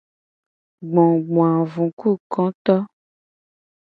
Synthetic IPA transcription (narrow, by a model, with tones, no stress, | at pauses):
ɡ͡bɔ̃˨ɡ͡b̃ã˨vũ˨ku˦˨kɔ̃˦t̪ɔ˦